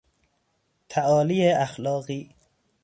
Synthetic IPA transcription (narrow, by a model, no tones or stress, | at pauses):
t̪ʰæʔɒːliːeæxlɒːɢiː